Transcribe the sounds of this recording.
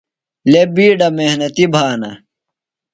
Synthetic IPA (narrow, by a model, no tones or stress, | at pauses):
lebiːɖɐmehnɐt̪ibʱaːnɐ̰